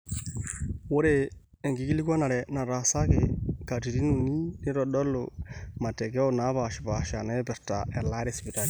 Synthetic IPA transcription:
wo˦ɾe˨ | e˨ŋɡi˦ɡi˦li˦kwa˦na˨ɾɛ˨na˨ɾa˨sa˦ke˨ka˨ti˨ɾi˦nu˨ni˦nɪ˦ɾɔ˨ɗɔ˦lʊ̰˨ma˨tɛ˨ɡɛ˦o˦˨na˦βa˨ʃɪ˨ba˨ʃa˨nɛ˦bɪ˨ɾta̰˨ʔɛ˨la˦ɾɛ˦spi˨ta˦li˨

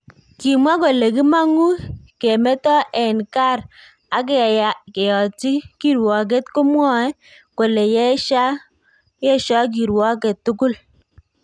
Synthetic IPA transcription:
ki˨mwa˦ko˨le˨ki˦ma˦ŋu˦ke˨mɛ˦tɔ˦ʔɛ˨nka˦˨ɾ | a˨k̬ɛ˦˨ja˨ke˨jɔ˨ti˦ki˦ɾwɔ˨k̬e˦tko˦mwɔ˦ɛ˦ | ko˨le˨jɛ˦ʃa˦ | jɛ˦ʃɔ˦k̬i˨ɾwɔ˦ke˨tːʊ˦kʊ˦l

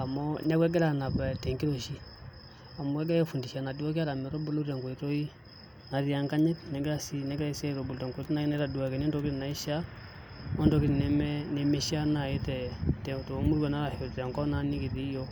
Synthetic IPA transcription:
a˨mɔ˦na˦kwɛ˦ɡɛ˦ɾa˨na˨pɛ˨tɛ˨ŋɡi˦ɾo˨ʃi˦ | a˨mɔ˦ɛ˦ɡa˦jɛ˦fu˨ndi˨ʃa˨na˨du˦wa˦k̬i˦a˦ɾa˨mɛ˨ɾɔ˦bu˦lo˦ɾa˨ŋɡo˨i˨ɾo˦i˦ | na˨ɾja˨ŋka˦ɲɛ˦tnɛ˨ɡa˦si˦nɛ˨˦ɡa˦i˦sɛ˦˨ɾo˨bu˨lɾɛ˨ŋɡo˨˦tna˦na˦ɾa˨du˨wa˨kɛ˨nɔ˦ndɔ˦ki˦tna˨i˦ʃa˦ | mɔ˦ndɔ˨˦ki˦ɾi˨nɛ˨mɛ˦ne˨me˦ʃa˦na˨e˦tɛ˨tɛ˨to˨˦mu˦ɾwa˨na˦ɾa˨ho˨t͡sa˨ŋkɔ˦na˦ni˦ki˨te˦jɔ˦

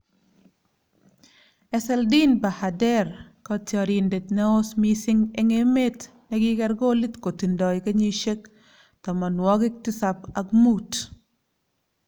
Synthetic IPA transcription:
ɛ˦sɛ˦ldi˦nba˨ha˨dɛ˦ɾkɔ˦tjɔ˨ɾi˨nde˨t̪nɛ˦o˦smi˦sɪ˦ŋe˦ŋe˦me˦t | nɛ˨ɡɪ˦kɛ˦ɾɡɔ˦li˦tko˨ti˨ndɔ˨jke˦ɲi˦ʃe˦k̚ | tɔ˨ma˨nwɔ˦ɡɪ˦k̚tɪ˦sa˨pa˨kmu˦t

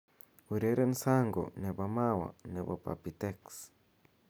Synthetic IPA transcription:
uɾeɾe˦nsa˦ŋɡo̰˨ne˨bama˦wa̰˨ne˨βa̰˨pa̰pit̪eks

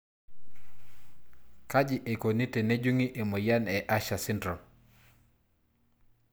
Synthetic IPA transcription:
ka˦d͡ʒɪ˨ʔe˨ko˨ni˦te˨ne˦d͡ʒu˦ŋi˦ʔe˨mo˨ja˦nɛ˨ʔa˦ʃa˨sɪ˦ndɾɔ˨

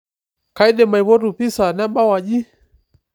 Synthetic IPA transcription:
ka˨i˦ɗɛ˨ma˨i˨βɔ˦ɾu˨pi˦sa˨na˦ɓa˦wa˨d͡ʒi˦

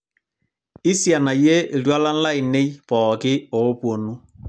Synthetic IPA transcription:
ɪ˦sja˨na˨je˦i˨twa˦la˦n̩˦la˦i˨ne˦jpɔː˨kɪ˦ɔ˨˦pwo˨nu˦

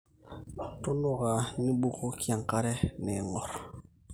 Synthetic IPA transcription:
to˦nu˦ɣa˨ni˦ɓu˦ko˦ki˦a˨ŋka˦ɾe˦ne˨ŋɔ˨ɾ

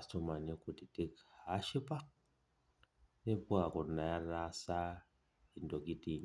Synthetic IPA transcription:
a˨sto˨ma˨ɲe˦ku˨ti˨ti˦kha˦ʃi˦pa˦ | ne˦pu˦a˨ku˨na˨ja˦ɾa˦sa˦ | i˨ndo˨ɡi˦di˨ɲ

